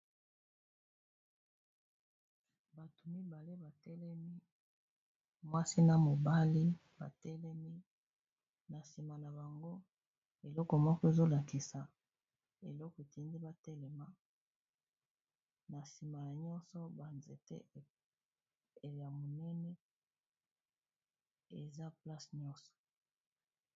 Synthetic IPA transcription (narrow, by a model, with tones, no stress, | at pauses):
ba˨to˨mi˦ba˨le˦ba˨tɛ˦lɛ˦mi˦ | mwa˦si˦na˨mo˨ba˦li˦ | ba̰˨tɛ˦lɛ˦mi˦ | na˨si˨ma˨na˨ba˨ŋɡo˦ | e˨lɔ˦kɔ˨mɔ˦kɔ˦e˦zo˦la˨ki˨sa˨ | e˨lɔ˦kɔ˨e˨ti˦ndi˦ba˦tɛ˦lɛ˨ma˦ | na˨si˨ma˨na˨ɲɔ˦nsɔ˦ba˨nze˨tḛ˦˨ | ja˨mo˨nɛ˦nɛ˦ | ḛ˨za˦pla˦sɲɔ˦sɔ̥˨